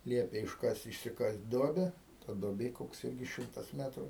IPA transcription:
ˈlʲiɛpʲeː ɪʃˈkɐsʲtʲ ɪʃʲsʲɪˈkɐsʲtʲ ˈduɔbʲɛ tɐ duɔˈbʲeː ˈkoːks ˈɪlʲɡʲɪs ˈʃʲɪmtɐs ˈmʲæːtruː

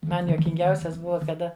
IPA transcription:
ˈmɐn juɔkʲɪŋʲˈɡʲɛʊsʲɛs ˈbʊʋɐ kɐˈdɐ

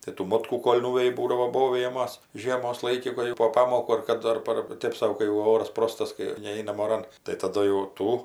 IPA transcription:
tɐɪ tuː ˈmoːtkuː ˈkoːlʲ ˈnʊʋʲɛjɪ ˈbuːdɐʋoː ˈboːʋʲɪjɛmɐs ˈʒʲiɛmoːs ˈlˠɐɪkʲɪ ˈkʊr jɛʊ poː ˈpɑːmoːkuː ɐr ˈkɑːdʊ ɐr ˈpɐr ˈtʲeːp sɐʊ kɐɪ jɛʊ ˈoːrɐs ˈproːstɐs kɐɪ ˈnʲɛɪnɐm oːˈrɐn tɐɪ tɐˈdʊ jɛʊ ˈtuː

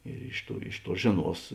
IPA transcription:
ɪr ˈɪʃ ˌtuɔ ˈɪʃ ˌtuɔ ˈʒʲeːˌnuɔs

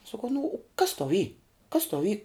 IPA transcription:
sɐˈkɐʊ nʊ ʊ kɐs tɐʊ iː kɐs tɐʊ iː

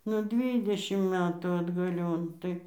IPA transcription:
nʊ ˈdʲʋʲiːdʲɛʃʲɪm ˈmʲæːtuː ɐdɡɐˈlʲoːn ˈtɐɪ

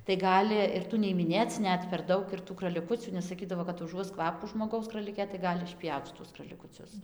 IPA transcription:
tɐɪ ˈɡɑːlʲɪ ɪr ˈtuː nʲɛɪ ɪmʲɪˈnʲeːt͡s ˈnʲɛt pʲɛr ˈdɐʊk ɪr tuː krɐlʲɪˈkʊt͡sʲuː nʲɛs sɐˈkʲiːdɐʋoː kɐt ʊˈʒuɔs ˈkʋɑːpuː ʒmoːˈɡɐʊs krɐlʲɪˈkʲeː tɐɪ ˈɡɑːlʲɪ ɪʃʲˈpʲjɛʊt͡s ʃʲɪˈtʊs krɐlʲɪkʊˈt͡sʲʊs

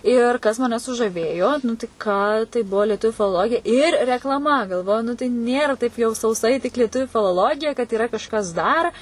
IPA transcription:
ˈɪr ˈkɐs mɐˈnʲɛ sʊʒɐˈʋʲeːjoː nʊ tɐɪ ˈkɑː tɐɪ ˈbʊʋoː lʲiɛˈtʊʋʲʊ fʲɪlˠoːˈlˠoːɡʲɪjɛ ɪr rʲɛklˠɐˈmɐ ɡɐlˠˈʋoːjʊ ˈnʊ tɐɪ ˈnʲeːrɐ tɐɪp jɛʊ sɐʊˈsɐɪ tʲɪk lʲiɛˈtʊʋʲʊ fʲɪlˠoːˈlˠoːɡʲɪjɛ kɐt iːˈrɐ kɐʃˈkɐs dɐr

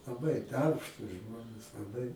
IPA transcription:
lˠɐˈbɐɪ ˈdɐrpʃtuːs ˈʒmoːnʲeːs lˠɐˈbɐɪ

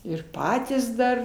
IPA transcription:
ɪr ˈpɑːtʲiːs ˈdɐr

